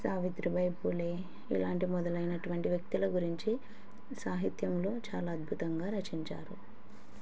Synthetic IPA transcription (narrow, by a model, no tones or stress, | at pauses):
saːʋit̪ɾibɐjpuːleː | ḭlaːɳʈimɔd̪ɐlɐjnɐʈuʋɐɳʈiʋjɐk̚t̪ilɐɡuɾiɲt͡ʃi | saːɦit̪jɐmlo̞ːt͡ʃaːlaːɐd̪̚bʱut̪ɐŋɡaːɾɐt͡ʃiɲt͡ʃa̰ːɾu